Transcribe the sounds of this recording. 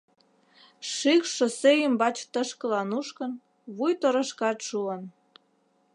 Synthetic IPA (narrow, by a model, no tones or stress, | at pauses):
ʃikʃə̆sejəmbɑt͡ɕt̪əʃkə̆lɑnuʃkə̆n | βujt̪ə̆ɾə̆ʃkɑt̪ʃuən